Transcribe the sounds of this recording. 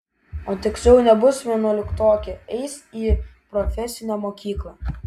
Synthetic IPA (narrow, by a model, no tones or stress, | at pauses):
oːt̪ʲɪksʲlʲɛʊnʲɛbʊsʋʲiɛnɔːlʲɪkt̪oːkʲɛɛɪsiːpɾɔfʲɛsʲɪnʲɛːmoːkʲiːklˠɐ